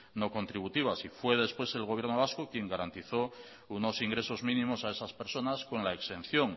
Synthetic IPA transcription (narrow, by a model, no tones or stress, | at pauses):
no̞ko̞nt̪ɾiβ̞ut̪iβ̞asifwe̞ð̞e̞spwe̞se̞lɣo̞βjeɾno̞β̞askokje̞ŋɡaɾant̪iθo̞ | uno̞siŋɡɾe̞so̞zmĩnĩmo̞sae̞saspe̞ɾso̞nasko̞nlaekst̪e̞n̟θjo̞ŋ